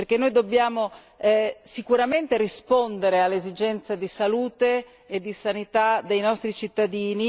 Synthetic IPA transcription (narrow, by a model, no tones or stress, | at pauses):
perk̟enːojd̪obːjaːmo | sikuɾament̪eɾispond̪eɾealːezid͡ʒɛnt̪sad̪isaluːt̪eː | d̪ːisanit̪ad̪ejnɔst̪ɾit͡ʃit̪ːad̪iːni